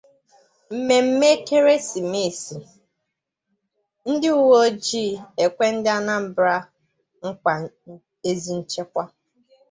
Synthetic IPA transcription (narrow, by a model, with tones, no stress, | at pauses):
m̩˨me˨m̩˦me˦ke˦ɾe˦si˨me˦˨si˨ | n̩˦dɪ˦u˦wo˦d͡ʒiː˦˨e˨kʷe˦n̩˦dɪ˦a˦na˦m̩˨bɾa˦ | ŋ̩˦ka˨ | e˦zi˨n̩˦t͡ʃe˦kʷa˦